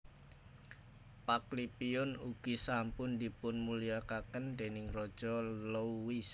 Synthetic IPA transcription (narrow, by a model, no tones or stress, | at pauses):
paklipiʊnuɡ̥isampʊnd̪ipʊnmuliakakənd̪̥enɪŋrɔd̥ʒ̥ɔlouwis